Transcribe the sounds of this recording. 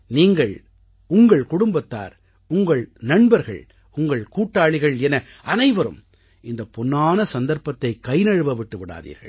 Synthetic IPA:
niːŋɡɐɭ | ʊŋɡɐɭkʊɽʊmbɐt̪ːa̰ːɾ | ʊŋɡɐɭnɐɳbɐɾɣɐ̰ɭ | ʊŋɡɐɭkuːʈːaːɭɪɣɐɭɛnɐ | ʔɐnɐɪʋɐɾɯ̰m | ɪnd̪ɐpːʊnːaːnɐsɐnd̪ɐɾpɐt̪ːɐɪkɐɪnɐɻɯʋɐʋɪʈːɯʋɪɽa̰ːðḭːɾɣɐ̰ɭ

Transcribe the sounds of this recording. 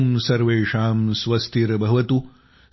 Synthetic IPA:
msɐɾʋeːʂaːmsʋɐst̪iɾbɐɦʋɐt̪u

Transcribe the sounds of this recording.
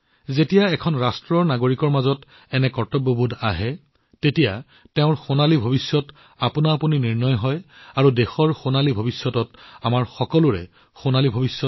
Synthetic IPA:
zetijaɛkʰɔnɹastɹɔɹnaɡoɹikɔɹmazɔt | ɛnɛkɔɹtɔbobʱudaɦɛ | tetija̰ | tɛʊ̃ɹxonalibʱobisːɔt | apunaːpuniniɹnɔjɦɔjaɹudexɔɹxonalibʱobisːɔtɔtamaɹxɔkɔlʊɹɛ̰ | xonalibʱobisːɔt

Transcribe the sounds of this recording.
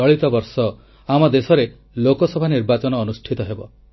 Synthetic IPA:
ɔɭit̪ɔbɔɾsɔ | amɔd̪esɔɾe | lokɔsɔbʱaniɾbat͡ʃɔnɔːnusʈʰit̪ɔɦebɔ

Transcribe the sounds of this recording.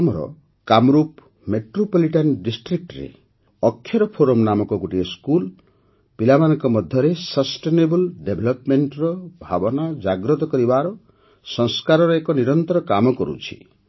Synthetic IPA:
amɔɾɔ̰ | kamɔɾup | meʈɾopɔliʈanɖisʈɾik̚ʈɾḛ | ɔkʰːjɔɾɔpʰoɾɔmnamɔkɔɡuʈiɔskul | pilamanɔŋkɔmɔd̪ʱjɔɾesɔsʈenebɔlɖebʱɔlɔpmeɳʈɾɔbʱa̰bɔnad͡ʒaɡɾɔt̪ɔkɔɾibaɾɔ | sɔŋskaɾɔɾɔekɔniɾɔnt̪ɔɾɔkamɔkɔɾṵt͡ʃʰi̥̰

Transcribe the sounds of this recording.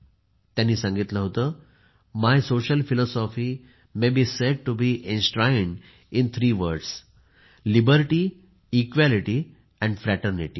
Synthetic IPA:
t̪jãnːiːsãŋɡit̪ləɦot̪əː | majsoɕəlfilɔsɔfi | mebiːseɖ̚ʈubiʔẽnsʈɾajɳɖ | ĩnt̪ʰɾiːʋəɾɖs | libəɾʈiː | kʋæliʈi | ɛ̃ɳɖfɾæʈəɾniʈḭː

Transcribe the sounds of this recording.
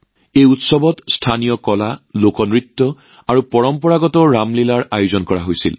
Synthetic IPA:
ejutsɔbɔtstʰanijɔkɔlalokɔnɹitːɔ | aɹupɔɹɔmpɔɹaɡɔtɔɹamlilaɹajuzɔnkɔɹaɦojsḭl

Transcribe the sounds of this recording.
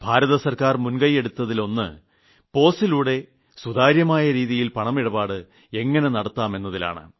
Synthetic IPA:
bʱaːɾɐðɐsɐrkaːrmunɡɐje̞ɽut̪ːɐðilo̞nːɨ̰ | po̞ːsiluːɽe̞ | sud̪aːɾjɐmaːjɐɾiːðijilpɐɳɐmiɽɐbaːɽɨ | e̞ŋːɐne̞nɐɽɐt̪ːaːme̞nːɐðila̰ːɳɨ̰

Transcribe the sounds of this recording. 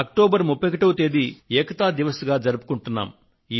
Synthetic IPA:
ɐk̚ʈoːbɐɾmupːekɐʈɐwut̪eːd̪iɛːkɐt̪aːd̪iʋɐsɡaːd͡ʒɐɾupu̥kuɳʈunːa̰ːm | iː

